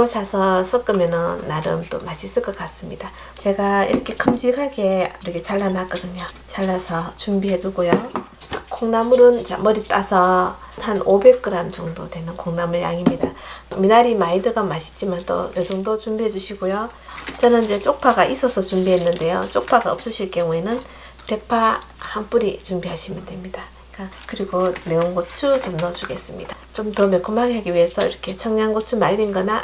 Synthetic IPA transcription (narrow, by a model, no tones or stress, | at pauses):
osʰasʰʌsʰʌk͈ɯmjʌnɯnːaɾɯ̰mt͈o̰maɕʰis͈ɯɭk͈ʌk͈ats͈ɯmɲida | t͡ɕe̞ɡaḭɾʌkʰe̞kʰɯmd͡ʑikʰaɡe̞uɾikʰet͡ɕaɭːanak͈ʌdɯɲot͡ɕaɭːasʰʌt͡ɕumbiɦe̞duɡojo | koŋnamuɾɯnt͡ɕa̰mʌɾit͈asʰʌhanobe̞k̚k͈ɯɾamt͡ɕʌŋdo̰dwe̞nɯnkoŋnamɯɭja̰ŋimɲidaminaɾimaidɯɡamaɕʰi̥t͡ɕ͈imant͈o̰jed͡ʑʌŋdot͡ɕumbiɦe̞d͡ʑuɕʰiɡojo | t͡ɕʌnɯnid͡ʑe̞t͡ɕ͈ok̚pʰaɡaʔis͈ʌsʰʌt͡ɕumbiɦenːɯnde̞jot͡ɕ͈ok̚pʰaɡaʌ̰p̚s͈ɯɕʰiɭk͈jʌŋue̞nɯn | te̞pʰahamp͈uɾit͡ɕumbiɦaɕʰimjʌndwe̞mɲida | k͈akɯɾiɡone̞oŋɡot͡ɕʰut͡ɕʌmnʌt͡ɕuɡe̞s͈ɯmɲḭd̥a | t͡ɕomtʌmek͈umaɡɦaɡiɥiɦe̞sʰʌḭɾʌkʰe̞t͡ɕʰʌŋɲaŋɡot͡ɕʰumaʎːinɡʌna